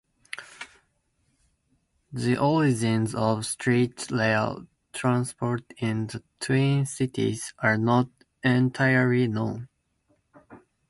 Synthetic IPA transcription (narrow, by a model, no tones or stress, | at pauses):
ðiʔɔɹid͡ʒĩnzɔvstʰɹitleɪ̰l | tʰɹãnspʰɔɹtɪ̃nðətʰĩnsɪtḭz̥ʔaɹnɔt | ɛ̃ntʰaɪə˞linõn